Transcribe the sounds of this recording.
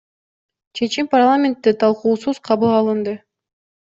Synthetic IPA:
t͡ʃʰe̞t͡ʃimparlˠamʲent̪ːit̪ʰɑlˠquːsuz̥qʰɑβɯlˠɑlˠɯnd̪ɯ

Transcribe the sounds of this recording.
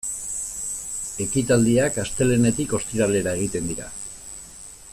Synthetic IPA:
e̞kit̪ald̪iakast̪e̞le̞ne̞t̪iko̞st̪iɾale̞ɾae̞ɣ̞it̪e̞nd̪iɾa̰

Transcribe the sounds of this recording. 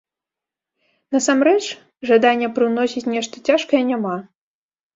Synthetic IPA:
nɐsamɾɛt͡ʂ | ʐad̪anʲːɛpɾɨwnɔsʲit͡sʲnʲɛʂt̪ɐt͡sʲaʂkɐjɛnʲama

